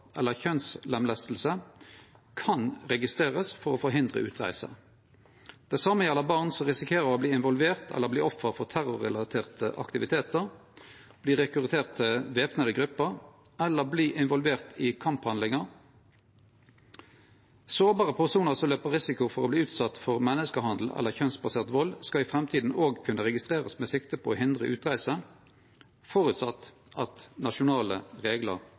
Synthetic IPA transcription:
ʔɛlːəçœnslɛmlæst̪l̩sə | kʰɑnʁɛɡɪst̪ʁeːʁəsfɔʁoːfɔɾɦɪnd̪ʁə̰ʔʉːt̪ʁæ̰ɪsə̰ | d̪̥æɪsɑmːəjɛləʁbɑʁnsɔʁɪsɪkʰeːʁəʁoːbliːɪnʋɔlʋeːʁt̪ʰɛ̰lːəʁbliːɔfːəʁfɔʁt̪ʰæʁʊʁɛ̰lɑt̪ʰeːʁt̪ʰəʔɑ̰kt̪ɪʋɪt̪ʰeːt̪əʁ | b̥liːʁɛkʉʁt̪ʰeːʁt̪ʰːɪlʋeːpnəd̪əɡʁʉpːəʁ | ɛlːəbliːʔɪnʋɔlʋeːʁt̪ʰɪkʰɑmphɑnd̪lɪŋəʁ | soːʁbɑːʁəpʰæsuːnəʁsɔmløːpəʁɪsɪkʊfɔʁoːbliːʉːt̪sɑt̪ːfɔʁmɛnəskəhɑnd̪l̩ɛ̰lːəçœnsbɑseːʁt̪ʋɔlskɑɪfʁɛmt̪ʰiːd̪n̩oːɡkʰʉnːəʁɛɡɪst̪ʁeːʁəsmeːsɪkt̪əpʰooːɦɪnd̪ʁəʔʉːt̪ʁæɪsə | fɔʁʉt̪sɑt̪ː | ʔɑt̪nɑʃʊnɑːlə̰ʁeːɡlə̰ʁ

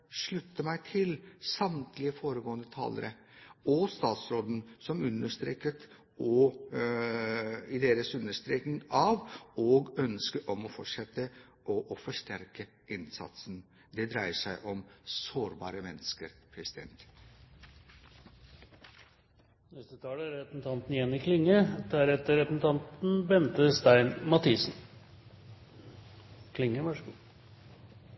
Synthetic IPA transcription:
ʂɭʉt̪ːəmæɪt̪ʰɪlsɑmt̪ʰlɪəfoːɾəɡoːənd̪ət̪ʰɑ̰ːlə̰ɾə | ɔst̪ɑːt̪sɾoːd̪n̩sɔmʉnːəʂt̪ɾḛːkət̪ | ɔ | ɪd̪eːɾəsʉnːəʂt̪ɾeːknɪŋɑʋɔːɡœnskəɾʔɔmɔfɔʈʂɛt̪ːə | ʔɔʔɔfɔʂʈ̪æɾkə | ɪnsɑ̰t̪sn | d̪ɛd̪ɾæɪəʂæɪʔɔmsoːɾbɑ̰ːɾəmɛnːəskəɾpʰɾɛsɪd̪ɛ̰nt̪ | nɛst̪ət̪ʰɑːləæɾɾɛpsn̩t̪ʰɑnt̪nɪjɛnːɪkʰlɪŋːəd̪æːɾɛt̪ːəɾɛpsn̩t̪ʰɑnt̪n̩bɛnt̪əst̪æɪnmɑt̪ʰiːsn | kʰlɪŋːəʋɑʂu

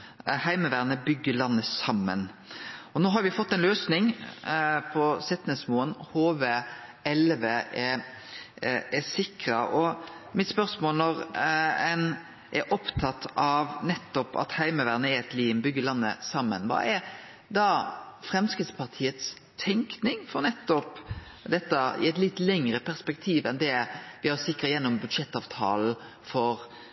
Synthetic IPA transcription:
hæɪməʋæːʁnəbʏɡːəlɑnːəsɑmːə̰nɔnoːɦɑɾʋɪfɔt̪ːɛɪnløːsnɪŋ | pʰɔsɪt̪nəsmoːənhoːʋeɛlʋeʔɛ | ɛsɪkɾɑʔɔmɪt̪spœʁsmoːlnɔɾɛn | ʔɛɾʔɔpt̪ʰɑt̪ːɑʋnɛt̪ːɔpɑ̰t̪hæɪməʋæʁnəɛɾɛt̪liːnbʏɡəlɑnːə̰sɑmːə̰nʋɑ̰ːɛ | d̪ɑfɾɛmskɪt̪spʰɑʁt̪ʰiːət̪s | t̪ʰɛŋknɪŋfɔɾnɛt̪ːɔp | d̪ɛt̪ːəɪ̰ɛt̪lɪt̪ːlɛŋɾəpʰæʁspɛkt̪ʰiːʋɛnd̪ɛʋɪhɑʁsɪkɾəjɛnːɔmbʉd̪ʂɛt̪ːɑːʋt̪ʰɑ̰ːl̩ | fɔɾ

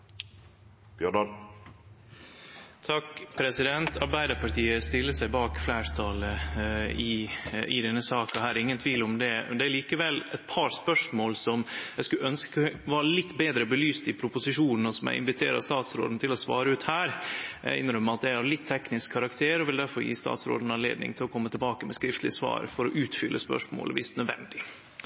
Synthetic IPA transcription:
b̥jœɖɑl | t̪ʰɑkpʰɾɛsɪd̪ɛnt̪ʰɑɾbæɪd̪əpɑʈʰiːəst̪ɪlːəsæɪbɑːkflæːɾt̪ʰɑlə | ɪɪ̰d̪ɛnːəsɑːkɑhæːɾɾɪŋːənt̪ʰʋiːlʊmd̪ɛmɛ̰nd̪ɛæɾɭiːkəʋɛlɛ̰t̪̚pʰɑɾspœʂmoːlsɔmæɪskʉʔœnskʋɑːɾəlɪt̪ːbeːd̪ɾəbəlyːst̪ɪpʰɾʊpʊsɪʂuːnən̩ɔsɔmæ̰ɪɪ̰nʋɪt̪ʰeːɾɑ̰st̪ɑːt̪sɾo̰ːd̪n̩t̪ʰɪlɔsʋɑ̰ːɾəʉːt̪hæːɾ̰ɪ̰nɾœmːəɑt̪̚d̪ɛɪhɑɾlɪt̪ʰːɛknɪskʰːɑɾɑkt̪ʰeːɾɔʋɪld̪æɾfɔɾjḭːst̪ɑ̰ːt̪sɾo̰ːd̪n̩ɑnlḛːd̪nɪ̰ŋt̪ʰɪlɔkʰɔmːət̪ʰɪlbɑːkəmɛskɾɪft̪lɪəsʋɑ̰ːɾfɔɾɔʔʉːt̪fʏlːʔəspœ̰ʂmo̰ːlʋɪst̪nœd̪ʋɛ̰nd̪ɪ

